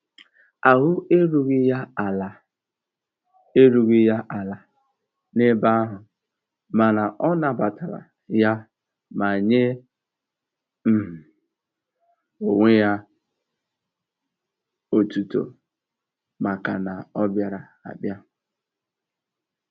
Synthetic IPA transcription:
a˨ɦʊ˦e˦ɾu˦ɣi˦ja˦˨la˨ | e˦ɾu˨ɣi˦ja˦ʔa˨la˨ | ne˦ba˦a˦ɦʊ˨ | ma˨na˨ʔɔ˦na˨ba˨ta˨ɾa̰˨ | ja˦ | ma˨ɲe˦ | m̩˦m̩˨ | o˨ŋʷe˦ja˦ | o˨tu˨to̰˨ | ma˨ka˨na˨ɔ˦bja˨ɾa˨ | a̰˨bja˦

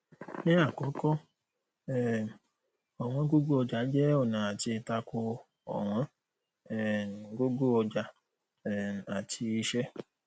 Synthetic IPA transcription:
nɛ̃˦a˦˨kɔ˨˦kɔ˦ | ɛ˨m˨ | ɔ˨w̃ɔ̃˦ɡo˦ɡo˦ɔ˧d͡ʒa˨˦d͡ʒɛ˦ɔ˦˨nã˨a˨ti˧˦ta˧ko˧ | ɔ̰˨w̃ɔ̃˦ | ɛ˨ɡo˦ɡo˦ɔ˧d͡ʒa˧ | ɛ˨a˨tʰi˧i˧ʃɛ˦

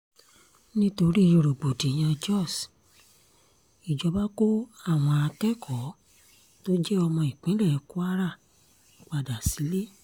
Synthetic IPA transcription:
nĩ˦to˧ɾi˦jo˧ɾo˨ɡ͡bo˨di˨j̃ã˧d͡ʒɔ˦˨s | i˨d͡ʒɔ˨˦ba˦ko˦a˦˨w̃ɔ̃˧a˧tɛ˦kʰɔ˨˦ | to˦d͡ʒɛ˦ɔ˧mɔ̃˧i˨k͡pĩ˨˦lɛ˦˨˦ku˦a˦ɾa˦˨˦ | k͡pa˧da˨si˨˦le˦

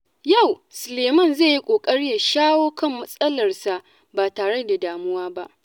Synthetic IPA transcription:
ja˦˨w | sʊ˨leː˨mɐ˦˨nzeː˦˨ji˦kʷʼoː˨kʼɐ˦ɽɪ˦ja˨ʃaː˦woː˦kɐ˦˨mːɐ˦sʼɐ˦lɐ˨rsa˨ʔ | baː˨taː˨ɽe˦da˨daː˨mʊ˦waː˦ba˦ʔ

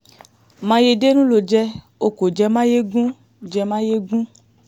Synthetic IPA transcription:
mã˧je˧de˦nũ˦lo˨d͡ʒɛ˧ | o˨ko˨d͡ʒɛ˧mã˦je˦ɡũ˦ | d͡ʒɛ˧mã˦je˦ɡũ˦

